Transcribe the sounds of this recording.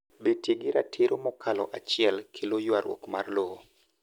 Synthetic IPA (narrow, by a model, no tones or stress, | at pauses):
betjeɡɪɾatʰɪɾomɔkʰalɔ̰ʔat͡ʃɪɛlkʰelojwaɾwʔɔ̰kmarloo